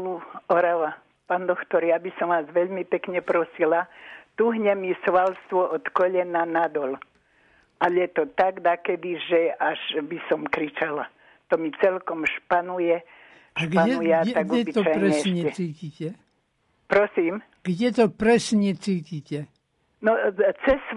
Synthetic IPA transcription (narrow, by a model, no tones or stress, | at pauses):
uɔɾaʋa | paːnd̪ɔkt̪ɔɾjabisɔmʋaːzʋɛʎmipɛkɲɛpɾɔsilat̪uɦɲɛmisʋalst̪ʋɔʔɔt̪kɔʎɛnanad̪ɔl | ʔaʎɛt̪ɔt̪aɡd̪akɛd̪iʒɛaʒbisɔmkɾit͡ʃala | t̪ɔmit͡sɛlkɔmʃpanujɛ | aɡaɛnujɛaɛaɡɛit̪ɔpajɲɾɛɛsɲɛɛt͡siːciːcɛ | pɾɔsiːm | ɡ̥ɟɛt̪ɔpɾɛsɲɛt͡siːciːcɛ | nɔt͡sɛs